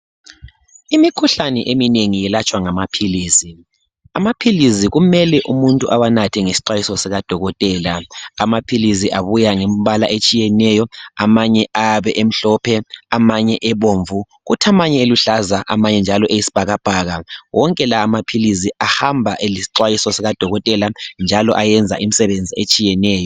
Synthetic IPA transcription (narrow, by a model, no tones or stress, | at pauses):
imikʰuɬanɛʔemineŋijɛlat͡ʃʼwaŋamapʰiliːsi | amapʰiliz̬iɣumɛlɛʔumuntʼuʔawanatʰɛŋesi̥ǀajisɔsɛɣad̥ʱɔɣɔtʼɛːlaamapʰilis̬iʔaβujaŋemβala̰ʔet͡ʃʼijɛnɛjɔamaɲɛʔaβɛʔem̩ɬɔpʰɛamaɲɛʔɛβoːɱvu | ɣutʰamaɲɛeluɬazaʔa̰maɲɛnd͡ʒʱalɔʔejisi̥b̥ʱaɣab̥ʱaːɣawʔɔŋkʼɛlaːmapʰiliziahambʱaʔelisi̥ǃwajisɔsɛɣad̥ʱɔɣɔtʼɛland͡ʒʱalɔ̰ʔajɛnd͡zʱa̰ʔim̩isɛβend͡zʱiet͡ʃʼijɛnɛːjɔ